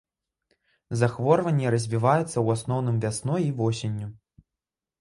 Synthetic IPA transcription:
zaxvɔrvɐnʲːɛɾɐzʲvʲivajɛt̪sːɐwasnɔwnɨmvʲasnɔivɔsʲenʲːu

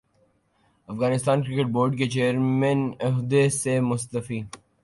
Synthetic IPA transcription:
ɐfɣaːnɪst̪aːnkɾɪkeʈ̚boːɾɖket͡ʃeːəɾmẽnɪɦd̪esemʊst̪əfiː

